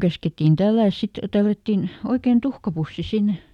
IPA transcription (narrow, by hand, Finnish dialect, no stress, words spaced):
kæsketːin tælːæˑs sit tælːætːin oikein tuhkɑpusːi sinːe